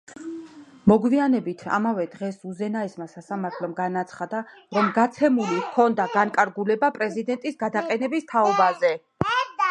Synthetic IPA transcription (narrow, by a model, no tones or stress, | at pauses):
mɔɡwvianɛbit̪ʰa̰mavɛd̪ʁɛsuzɛnaɛsmasasamaɾt̪ʰlˠɔmɡanat̪sʰχad̪aɾɔmɡat̪sʰɛmulikʰɔnd̪aɡaŋkʼaɾɡulɛbapʼɾɛzid̪ɛnt̪ʼisɡad̪aqʼɛnɛbist̪ʰaɔbazɛ